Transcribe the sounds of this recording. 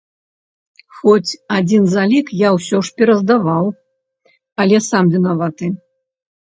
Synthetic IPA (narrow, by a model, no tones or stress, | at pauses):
xɔt͡sʲad͡zʲinzalʲikjawsʲɔʂpʲɛɾɐzd̪avaw | ɐlʲɛsamvʲinavat̪ɨ